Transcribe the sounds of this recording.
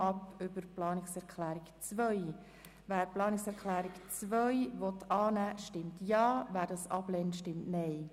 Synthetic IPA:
ɑpʏb̥əɾplɑːnɪksɛɾkʰlæːɾikt͡sʋœʏ | væːɾplɑːnɪksɛɾkʰlæːɾikt͡sʋœjvɔtʰɑːnæːʃtɪmtjɑːvæːɾdɑsɑ̰b̥lɛntʃtɪmtnɛɪ

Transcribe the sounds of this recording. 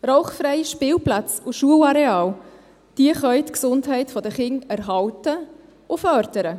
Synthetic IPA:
roʊχfɾɛjʃpɪːwplat͡sʊʃuəlɑɾeɑːl | d̪̥iəχœɥt̪ksʊndɦɛɪtfɔdəχɪŋæɾɦɑwtə | ʊfœɾd̥əɾə

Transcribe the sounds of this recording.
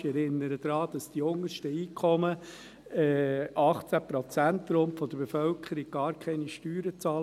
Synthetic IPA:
ɛɾɪnːəɾəd̥̪ɾɑːd̪̥ɑsd̥iʊŋəʃtəiːkʰɔmə | ɛʔɑχt͡sæpɾɔt͡sæntːɾomfɔd̥̪əɾbefœlkʰəɾiɡ̥̚ɡ̥ɑːɾkʰɛɪniʃtyːɾət͡sɑːl

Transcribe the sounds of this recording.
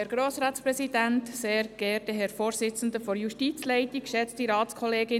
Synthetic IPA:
ɛɾɡ̥ɾoːsɾɑːtspɾɛsid̥æntseːɾɡ̥ɛːtəɦɛɾfoːɾsɪt͡sən̩d̪əfɔɾjuʃtit͡slɛɪtikʃɛt͡stiɾɑːt͡skʰɔleːɡɪ

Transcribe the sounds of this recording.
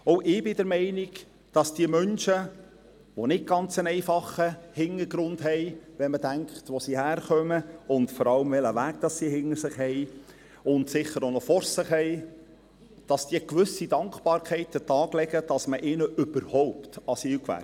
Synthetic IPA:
ɔʊʔɪbɪdəɾmɛɪniɡ | d̥ɑsd̥iəmœnʃə | ʋonɪt̚ɡ̥ɑnt͡sənɛɪfɑχəhɪnəɾɡ̥ɾʊnd̥ɦɛɪʋɛnmədæŋkχtʋosihæːɾχœməʊntfɔɾɑləmvɛləʋæːɡd̥ɑsːihɪnəɾsɪχhɛɪ | ʊndsɪχːəɾonɔfɔɾsɪχɦɛɪ | d̥ɑsd̥iːəkʋʏsidɑŋkχbɑːɾkχɛɪtətɑːɡlɛɡəd̥ɑsməʔɪːnəʔʏb̥əɾhɔʊptɑsiːlkʋæ̰

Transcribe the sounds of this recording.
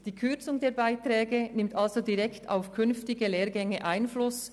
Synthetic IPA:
d̥iːkʰʏɐt͡sʊŋdeːɐbaɪtʁɛːɡənɪmtʔalzodiʁɛktʰa̰ʊfkʰʏnftɪɡəleːʁɡɛŋəʔaɪnflʊs

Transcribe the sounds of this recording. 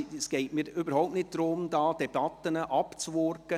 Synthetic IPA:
sɡ̥ɛɪtmiːɾybəɾɦaʊp̚nɪt̚d̥̪ɾʊmd̪ɑːd̥̪ɛb̥ɑt̪ːənəʔɑpt͡sʋɔrkə

